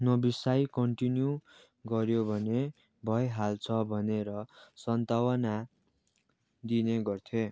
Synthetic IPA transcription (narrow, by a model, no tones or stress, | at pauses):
nʌbisajkʌɳʈinju | ɡʌɾjobʱʌne | bʱʌjɦalt͡sʰʌbʱʌneɾʌsʌnt̪awʌna | d̪ineɡʌrt̪ʰje